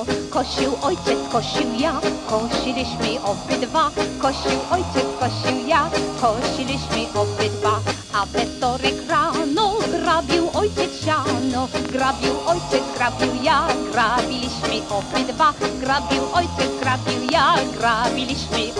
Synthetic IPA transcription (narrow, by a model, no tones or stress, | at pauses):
kɔɕiwʔɔjt͡ɕɛt̪skɔ̃ɕiwjakɔ̃ɕilʲiɕmɪʔɔpɪd̪vakɔ̃ɕiwʔɔjt͡ɕɛtskɔ̃ɕiwjakɔ̃ɕilʲiɕmɘʔɔpɪd̪va | avɛst̪ɔɾɛkɾanɔɡɾabʲjiwʔɔjt͡ɕɛɕanɔɡɾabʲjiwʔɔjt͡ɕɛzɡɾabʲiwjaɡɾabʲilʲiɕmɘʔɔbɪd̪vaɡɾabʲiwʔɔjt͡ɕɛɡɾabʲiwjaɡɾabʲilʲiɕmɪ